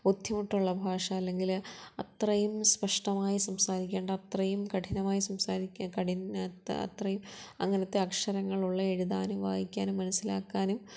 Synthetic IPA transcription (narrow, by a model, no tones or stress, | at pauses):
ud̪ʱjɐmuʈːuɭːɐbʱaːʂɐːlːe̞ŋɡilɐt̪rɐjumspɐʂʈɐmaːjisɐmsaːɾikʲːeːɳɖɐɐt̪rɐjumkɐʈʰinɐmaːjisɐmsaːɾikʲːkɐɽinɐ̰t̪rɐjumɐ̰ŋːɐnɐt̪ːeɐkʂɐɾɐŋːɐɭuɭːɐe̞ɻuðaːnumʋa̰ːjikʲːaːnumːɐnɐsːilaːkːaːnum